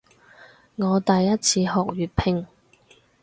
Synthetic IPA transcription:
ŋɔː˨˧t̪ɐ˨jːɐ˥t̚t͡sʰiː˧hɔː˨k̚ɥyː˨t̚pʰɪ˧ŋ

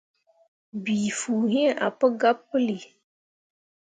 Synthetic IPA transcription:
biː˨fuː˨ɦĩ˦e˦˨ʔa̰˨pə˦ɡa˦pːɨ˦li˨

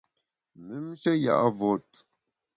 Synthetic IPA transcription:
mi˨˦m˦ʃə˦ja̰˨ʔa˦vɔ˦˨t

